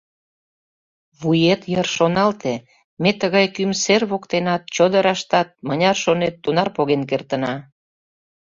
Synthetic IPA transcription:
βujet̪jərʃonɑlt̪e | met̪əɣɑjkymserβokt̪enɑt̪̚t͡ɕod̪əɾɑʃt̪ɑt̪̚mənʲɑrʃonet̪ːunɑrpoɣenk̬ert̪ə̆nɑ

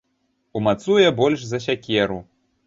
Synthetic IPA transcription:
umat̪sujɛbɔlʲʂzɐsʲakʲɛɾu

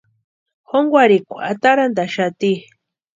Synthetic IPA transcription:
xoŋɡʷaɾikʷuat̪aɾand̪aʃat̪i

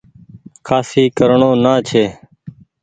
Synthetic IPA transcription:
kʰaːsiːkəɾɳõːnaːt͡ʃʰeː

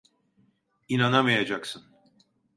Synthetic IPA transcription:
inanamajad͡ʒaksɯn

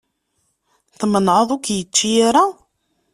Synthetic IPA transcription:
θmənʕəðˤʊkjət͡ʃːijaɾa

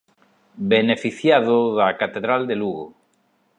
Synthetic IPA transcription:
benefiθjaðʊðakat̪eðɾald̪eluɣo

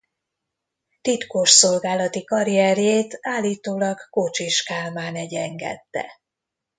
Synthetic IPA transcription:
t̪it̪koʃso̞lɡaːlɒt̪ikɒɾijɛrjeːt̪aːlːiːt̪oːlɒɡkot͡ʃiʃkaːlmaːnɛɟɛŋɡɛ̰t̪ːɛ̰

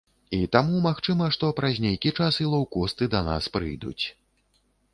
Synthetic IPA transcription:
it̪amumaxt͡ʂɨmɐʂt̪ɔpɾazʲnʲejkʲit͡ʂasilˠawkɔst̪ɨd̪ɐna̰spɾɨ̰jd̪ṵt͡sʲ

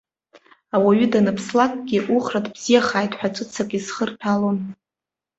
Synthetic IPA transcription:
awaɥʏdanapʰslakʼɡʲiʔuχratʰʼbz̥ijaχaːjtʰʼħʷᶣat͡ʃʷʼɨt͡sʰakʼisχərpʰalon

